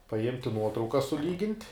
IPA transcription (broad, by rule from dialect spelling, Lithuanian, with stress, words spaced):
pɐˈɪmʲtʲɪ ˈnuɔtrɐʊkɐ sʊˈlʲiːɡʲɪnʲtʲ